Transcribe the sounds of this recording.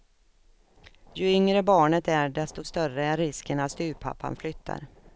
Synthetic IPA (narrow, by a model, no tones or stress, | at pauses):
jɵʏŋɾəbɑːɳət̪æɖɛst̪ɔst̪œrəæɾːɪskənalst̪ʉ̟ːpʰa̰pːa̰nflʏt̪ʰːa̰ɾ